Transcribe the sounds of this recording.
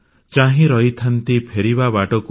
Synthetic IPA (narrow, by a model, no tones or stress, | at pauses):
t͡ʃãɦĩɾɔit̪ʰant̪ipʰeɾibabaʈɔku